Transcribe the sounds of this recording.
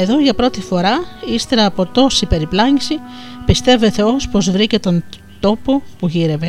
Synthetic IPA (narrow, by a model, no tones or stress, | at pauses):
e̞ðo̞ʝɐpɾo̞t̪ifo̞ɾɐist̪e̞ɾɐːpo̞t̪o̞sipe̞ɾiplɐɲisi | pist̪e̞ve̞θe̞o̞spo̞zvɾice̞t̪o̞n | t̪o̞po̞puʝiɾe̞ve̞